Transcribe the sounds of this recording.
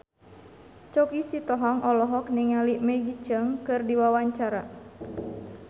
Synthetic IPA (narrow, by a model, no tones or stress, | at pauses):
t͡ʃɔkisit̪ɔɦɔŋɔlɔɦɔk̚niŋalimeɡit͡ʃəŋkɨrdiwawaɲt͡ʃaɾa